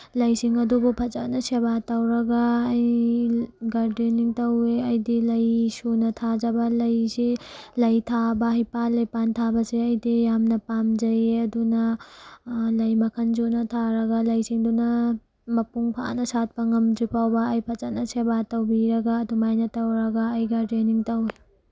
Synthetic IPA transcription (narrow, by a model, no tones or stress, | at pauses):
lɐjsiŋɐdubupʰɐt͡ʃɐnɐsebatɐwɾɐɡɐːj | ɡaɾdiniŋtɐweɐjdilɐjsunɐtʰad͡ʒɐbɐlɐjsilɐjtʰabɐɦɐjpalɐjpantʰabɐsiɐjdijamnɐpamd͡ʒɐjɐdunɐ | lɐjmɐkʰɐnd͡ʒunɐtʰaɾɐɡɐlɐjsiŋdunɐ | mɐpuŋpʰa̰nɐsat̚pɐŋɐmd͡ʒipawbɐːjpʰat͡ʃɐnɐsebatɐwbiɾɐɡaːdumajnɐtɐwɾɐɡɐːjɡaɾdeniŋtɐwe